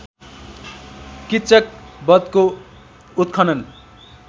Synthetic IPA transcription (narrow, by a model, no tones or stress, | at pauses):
kitt͡sʌk̚bʌd̪̚ko | ut̪̚kʰʌnʌn